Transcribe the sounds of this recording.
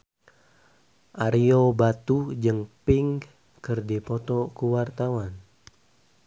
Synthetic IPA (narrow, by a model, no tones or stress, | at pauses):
ʔaɾiobat̪ud͡ʒɨŋpiŋ | kɨrdipɔt̪ɔkuwart̪awan